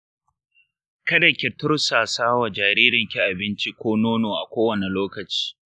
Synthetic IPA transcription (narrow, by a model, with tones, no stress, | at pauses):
kɐ˦dɐ˨kʲɪ˨tʊ˦rsaː˨saː˦wa˨d͡ʒaː˨ɾiː˦ɾɪ˨ŋkʲi˦ʔa˨bɪ˦nt͡ʃi˦kʷoː˦noː˦noː˨ʔa˨kʷoː˦wɐ˨ne˨loː˦kɐ˨t͡ʃi̥ː˦